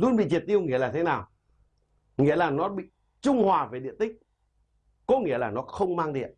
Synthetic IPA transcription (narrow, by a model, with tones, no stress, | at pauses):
lu˧nɓḭ˧˨t͡ɕi˨˩ət̪̚ʔi˧ə˧wŋi˧əlaː˨˩t̪ʰe˨˦naː˨˩w | ŋḭ˧˥əlaː˨˩nɔ˨˦ɓḭ˧˨ | t͡ɕʊ˧ŋ͡mhwaː˨˩ve˨˩ɗḭ˧˨ət̪ï˦˥k̟̚ | kɔ˨˦ŋḭ˧˥əlaː˨˩nɔ˨˦xə˧wŋ͡mmaː˧ŋɗḭ˧˨n